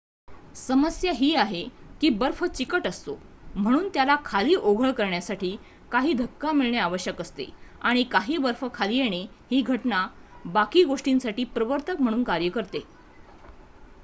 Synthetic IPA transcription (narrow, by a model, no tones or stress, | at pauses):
səməsjaɦiːaɦekiːbəɾfət͡ɕikəʈəst̪om̤əɽ̃uːnt̪jalakʰaliːʔoɡʱəɭkəɾɳjasaʈiː | kaɦiːd̪ʱəkːamiɭɳjaaʋəɕjəkəst̪ḛaɽ̃ikaɦiːbəɾfəkʰalijeɽ̃e | hiːɡʱəʈnabakiːɡoʂʈinsaʈiːpɾəʋəɾt̪əkm̤əɽ̃uːnkaɾjəkəɾt̪e